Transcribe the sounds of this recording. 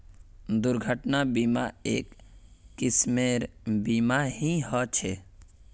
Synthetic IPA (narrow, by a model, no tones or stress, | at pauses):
d̪ʊɾɡʱəʈnabiːma̰eːkː | ɪsmeɾbimaɦĩɦɔt͡ʃʰe